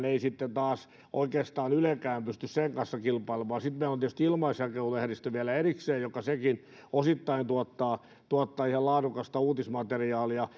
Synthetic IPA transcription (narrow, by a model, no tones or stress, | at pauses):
neisit̪ːent̪ɑːs | ʔo̰ikeːst̪ɑːnylekæːmpyst̪ysseŋkɑnsːɑkilpɑilemˑɑːsit̪meilont̪iehst̪ilmɑisækeuluehrist̪æʋiælæerikseːjjokːɑsekin | osit̪ːɑint̪uɔt̪ːɑː | t̪uɔt̪ːɑːihelɑːdukɑst̪ɑuːt̪ismɑt̪eriɑːliɑ